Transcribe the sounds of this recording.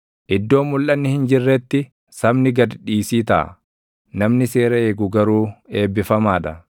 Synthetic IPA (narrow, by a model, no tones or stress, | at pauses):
ʔɪd̪ːo̞ːmːʊlʔɐnːɪhɪnd͡ʒɪrːɛt̪ːɪ | sɐmnɪɡɐd̪ᶑiːsiːt̪a̰ː | nɐmnɪse̞ːɾɐe̞ːɡʊɡɐɾuːe̞ːbːɪfɐmaːᶑɐ